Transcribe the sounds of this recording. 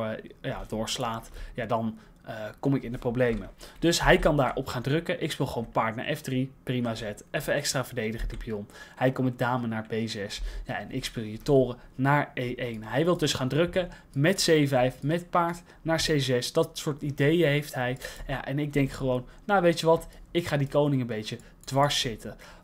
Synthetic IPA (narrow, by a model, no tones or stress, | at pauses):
ja̰dʊːɹslaːtjadɑn | kɔmɪkɪndəprowblejməd̥ɵsɦɛjkɑndaːɹʔɔpχaːndrɵkəʔɪkspɪlˠχəʋownpaːɹtna̰ɹʔɛfdriprimaːzɛtɛfəɛkstraːvəɹdejdəχədipijɔnhɛjkɔmɛdaːmənaːɹpejzɛsjaʔɛnʔɪ̰kspilˠitʊːrənaːɹejʔejnɦɛjʋɪlˠdɵsχaːndrɵkə | mɛtsejvɛjfmɛt̚paːɹt | naːɹsejzɛsd̥ɑtsʊːɹtidejəɦejftɦɛjjaʔɛnɪɡ̚dɛŋkχəʋownːawʋejtəʋɑtɪkχaːdikownɪŋənbejtə | d̥ʋɑɹsːɪtə